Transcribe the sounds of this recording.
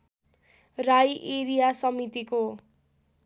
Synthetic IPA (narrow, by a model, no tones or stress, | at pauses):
rajʔeɾijasʌmit̪iko